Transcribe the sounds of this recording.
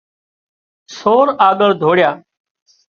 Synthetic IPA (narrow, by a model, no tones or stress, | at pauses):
soːɾaːɠəɾd̪ʱoːɽɪjaː